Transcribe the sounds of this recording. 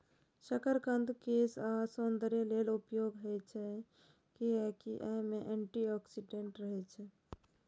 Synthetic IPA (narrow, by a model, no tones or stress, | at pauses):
ʃəkəɾkə̃nd̪keːsasõnd̪əɾeleːlʊpjoːɡɦɛt͡ʃʰɛ | kiɛkiʔɛmẽʔẽːɳʈiɔːksiɖeɳʈɾəɦɛt͡ʃʰɛ